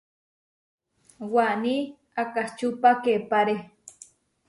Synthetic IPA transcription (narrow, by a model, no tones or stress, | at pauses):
wani | akaht͡ʃupakepaɾe